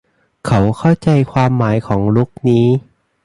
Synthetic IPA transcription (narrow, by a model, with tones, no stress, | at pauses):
kʰa˦˥wkʰa˥˩wt͡ɕa˧jkʰwaː˧mːaː˩˦jkʰɔː˩˦ŋlu˦˥k̚niː˦˥